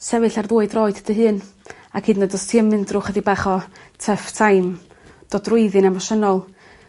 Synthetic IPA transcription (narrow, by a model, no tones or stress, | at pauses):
sɛvɨɬarðuːɨdrɔːɨd̥d̥əɦɨːn | akʰɨːdnədɔstʰiəmɨndrʊχədibaχɔtʰəftʰajm | d̥ɔdrʊɨðɨnɛmaʃənɔlˠ